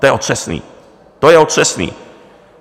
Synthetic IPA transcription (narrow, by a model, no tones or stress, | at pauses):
ojɛot̪ʂɛsnḭː | t̪ojɛot̪ʂɛsnḭː